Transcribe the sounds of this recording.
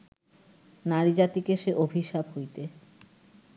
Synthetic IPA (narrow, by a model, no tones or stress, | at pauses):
naɾid͡ʑat̪ikeʃeʔobʱiʃabɦojt̪e